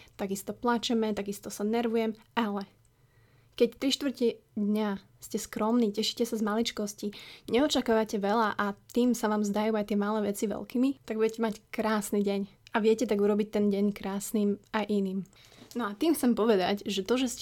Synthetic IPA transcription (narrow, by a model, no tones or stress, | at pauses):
t̪aɡist̪ɔplat͡ʃɛmɛt̪aɡist̪ɔsanɛɾʋujɛmalɛ | kɛct̪ɾiʃt̪ʋr̩cid̪ɲa | scɛskɾɔmniːcɛʃi̥cɛsazmalit͡ʃkɔsciɲɛɔt͡ʃakaːʋacɛʋɛlaʔat̪iːmsaʋaːmzd̪ajuːajt̪ɪɛmaːlɛːʋɛt͡siʋɛ̰lkiːmit̪aɡ̚buɟɛcɛmackɾaːsniɟɛɲaʋɪɛcɛt̪̬aɡuɾɔbic̚t̪ɛnɟɛɲkɾaːsniːmajʔiniːm | nɔat̪iːmxt͡sɛmpɔʋɛd̪aɟʒɛt̪ɔʒɛs